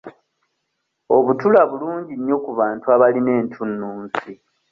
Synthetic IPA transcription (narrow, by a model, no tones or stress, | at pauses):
o̞βutulaβuluːɲɟinjo̞kuβaːntuaβaline̞ːntʰunːuːnzi